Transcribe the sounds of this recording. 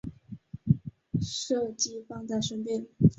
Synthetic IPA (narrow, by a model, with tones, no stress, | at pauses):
ʂɤ˥˧t͡ɕi˥˧fɑ˥˧ŋt̪a˥˩ʂə˥npjɛ˥˩n